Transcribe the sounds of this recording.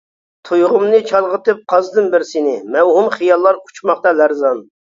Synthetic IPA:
t̪ʰujʁʊmnɨt͡ʃʰɑlˠʁət̪ɨp̚qʰɑzd̪ɨnbɪɾsɪnɪmɛwɦumχijɑlˠːɑɾut͡ʃʰmɑχt̪ɑlæɾzɑn

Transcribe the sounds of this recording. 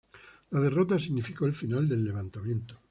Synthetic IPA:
lað̞e̞rot̪as̬iɣnifikoelfinald̪e̞lːeβant̪amjẽ̞nt̪o̥

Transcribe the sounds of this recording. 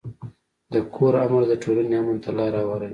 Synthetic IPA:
d̪əkʰoɾamaɾd̪əʈʰolaneamant̪alɑɾawaɾa

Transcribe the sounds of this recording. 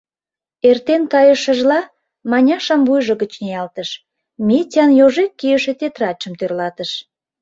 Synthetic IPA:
ert̪enkɑjəʃə̆ʒlɑ | mɑnʲɑʃɑmbujʒə̆ɣət͡ɕneɑlt̪əʃ | mitʲɑnjoʒekːijəʃet̪et̪rɑt͡ɕəmt̪ørlɑt̪əʃ

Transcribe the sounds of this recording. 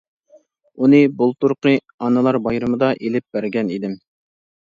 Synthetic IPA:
unɨbulˠt̪uɾqə | ɑnɨlˠɑɾbɑjɾɨmɨd̪ɑʔelɪp̚b̥æɾɡʲɛnid̪ɪm

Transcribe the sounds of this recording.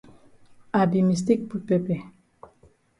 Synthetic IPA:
abimis̬t̪ik̚pupepe

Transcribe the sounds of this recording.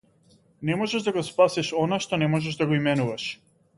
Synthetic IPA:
nɛmɔʒɛʒd̪aɡɔspasɛʃɔnaʃt̪ɔnɛmɔʒɛʒd̪aɡɔimɛnuvaʃ

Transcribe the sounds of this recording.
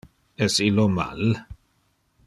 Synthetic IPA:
ɛsilːoma̰l

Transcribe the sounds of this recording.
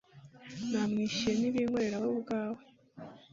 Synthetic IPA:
naːmŋiːʃieniβiːŋweɾeɾaβaubɡaːwe

